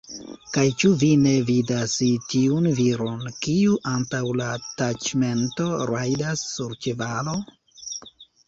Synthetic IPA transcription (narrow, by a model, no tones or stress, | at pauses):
kajt͡ʃuvine̞vidasitiunviɾo̞nkiuʔantawlatat͡ʃme̞nto̞ɾajdasːuɾt͡ʃevalo̞